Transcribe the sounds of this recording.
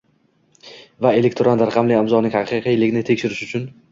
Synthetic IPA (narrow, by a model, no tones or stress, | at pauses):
vae̞lekʲt̪ʰɾanɾaqʰɑmlɪamzɒnɪŋʲhɑqʰɨqʰijɪlɪɡʲnɪt̪ʰe̞kʲʃɪɾɪʃʊt͡ʃʰʊn